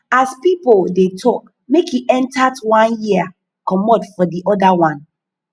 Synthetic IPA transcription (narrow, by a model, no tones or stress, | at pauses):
aspipoldetʰɔk̚ | mekhiʔɛ̃ntadwãnjia | kɔmɔdfɔdiʔɔdawãn